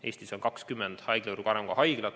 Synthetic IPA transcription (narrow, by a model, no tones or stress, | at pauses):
e̞ːsʲt̪iso̞nkɑkskymːend̪̥hɑjɡ̥leuɾukɑɾemkɑhɑjɡ̥lɑt̪